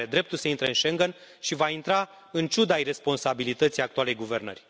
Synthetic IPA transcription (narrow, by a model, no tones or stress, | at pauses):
ed̪ɾe̞p̚t̪ulsəint̪ɾeɨnʃe̞ŋɡənʃivaint̪ɾa | ɨnt͡ʃud̪ajre̞spo̞nsabilit̪ət̪sijak̚t̪uale̞jɡuve̞rnə̰rʲ